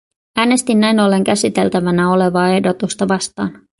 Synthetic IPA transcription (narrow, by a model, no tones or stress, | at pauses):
æːne̞st̪inːæjno̞lːe̞ŋk̟æsit̪e̞lt̪æʋænæo̞le̞ʋɑːe̞hdo̞t̪ust̪ɑʋɑst̪ɑ̰ːn